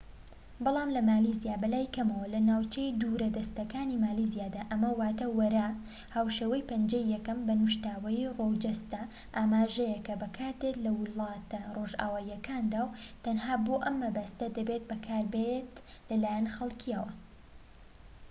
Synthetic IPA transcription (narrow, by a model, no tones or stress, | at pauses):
bɑlˠɑːmlɐmaːlizijaːbɐlaːjkɐmɐwɐlɐnaːwt͡ʃejd̪uːɾɐd̪ɐst̪ɐkaːnimaːlizijaːd̪aːʔɐmɐwaːt̪ɐwɐɾa | haːwʃeːwɐjpɐnd͡ʒɐjːɛkɐmbɐnuʃt̪aːwɐjirowd͡ʒɐst̪ɐ | ʔaːmaːʒɐjɛkɐbɐkʰaːɾd̪et̪lɐwʊlˠɑːt̪ɐroːʒʔa̰ːwaːiːɐkaːnd̪aːwt̪ɐnhaːboʔɐmːɐbɐst̪ɐd̪ɐbet̪̚bɐkʰaːɾbet̪lɐlaːjɐnxɐlˠkʰiɐwɐ